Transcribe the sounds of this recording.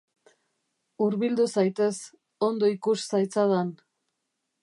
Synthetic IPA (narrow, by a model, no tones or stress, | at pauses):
uɾβild̪usajt̪e̞s | o̞nd̪o̞ikussajt͡saðan